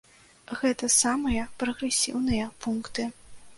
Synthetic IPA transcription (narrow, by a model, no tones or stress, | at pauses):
ɣɛt̪ɐsamɨjɐpɾɐɣɾɛsʲḭwnɨjɐpunkt̪ɨ